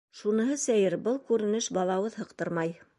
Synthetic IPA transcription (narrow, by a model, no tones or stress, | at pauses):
ʃunɤ̆ɦɤsæjɘɾbɤlˠkʉɾɘ̆nɘʃbɑlˠɑwɤðhɤ̆qt̪ɤɾmɑj